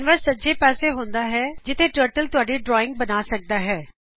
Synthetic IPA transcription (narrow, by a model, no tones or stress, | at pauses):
nʋəɾsɐd͡ʒepɛːseɦõːnd̪aɦɛːd͡ʑɪt̪ʰeʈəːɾʈəlt̪ʊaːɖiɖɾɔːɪ̃ŋɡ̚bɐnasɐk̚d̪aɦɛː